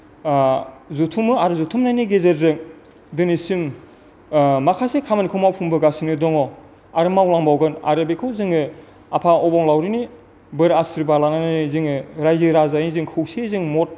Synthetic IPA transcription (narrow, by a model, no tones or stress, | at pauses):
zutʰumɯaɾɯzutʰumnajniɡezeɾzɯŋ | dɯnisim | makʰasekʰamanikʰɯwmawpʰuŋbɯɡasinɯdɔŋɔ | aɾɯmawlaŋbawɡɯna̰ɾɯbekʰɯwzɯŋɯ | apʰaɔbɔŋlawɾini | bɯɾasɾibalanananizɯŋɯɾajzɯɾazajizɯŋkʰɯwsezɯŋmɔt̚